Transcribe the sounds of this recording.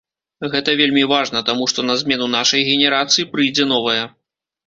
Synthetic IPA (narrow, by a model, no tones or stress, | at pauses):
ɣɛt̪ɐvʲelʲmʲivaʐnɐt̪amuʂt̪ɔnɐzʲmʲɛnunaʂɐjɣʲɛnʲɛɾat̪sɨjipɾɨjd͡zʲɛn̪ɔvɐjɐ